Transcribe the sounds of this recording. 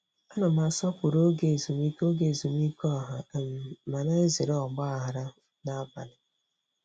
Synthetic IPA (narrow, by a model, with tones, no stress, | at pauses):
a˦na˨ma˨sɔ˦pʊ˨ɾo˦ɡe˨zu˨mi˦ko˦ɡe˨zu˨m˦i˦kɔ˦˨ɦa˨m˨ma˨na˦e˦zi˨ɾɔ˨ɡ͡ba˦a˦˨ɦa˨ɾa˦ | na˦ba̰˨lɪ˨